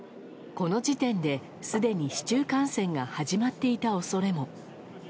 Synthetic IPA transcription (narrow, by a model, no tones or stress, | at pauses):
ko̞no̞d͡ʑit̪ẽ̞nd̪e̞ | sɨd̪e̞ɲ̟iɕi̥t͡ɕɨːkãɰ̃sẽ̞ŋɡahaʑimat̪ːe̞it̪ao̞so̞ɾe̞mo̞